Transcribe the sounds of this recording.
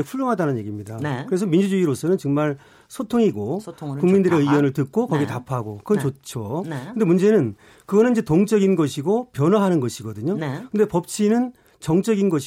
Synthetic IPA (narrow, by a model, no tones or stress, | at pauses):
ɸʰuʎːoŋɦadanɯnɲje̞ɡimɲidakɯɾe̞s̬ʰʌmind͡ʑud͡ʑuiɾos͈ʰʌnɯnt͡ɕʌŋmaɭ | sʰotʰoŋiɡokuŋmindɯɾeɯwʌnɯɭtɯk̚k͈okʌɡietapʰaɡokɯɡʌnt͡ɕot͡ɕʰokɯnde̞mund͡ʑe̞nɯn | kɯɡʌnɯnid͡ʑe̞toŋt͡ɕ͈ʌɡinɡʌɕʰiɡopjʌnwaɦanɯnɡʌɕʰiɡʌdɯɲonkɯndepʌp̚t͡ɕʰinɯn | t͡ɕʌŋt͡ɕ͈ʌɡinɡʌɕʰ